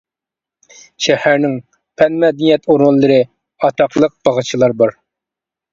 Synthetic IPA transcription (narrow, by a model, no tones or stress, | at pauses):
ʃɛhæɾnɪŋ | pʰɛnmɛd̪ɪnijɛt̪ʰoɾʊnlˠːɨɾɨ | ɑt̪ʰɑqlˠəq̚b̥ɑʁɑt͡ʃʰilˠɑɾbɑɾ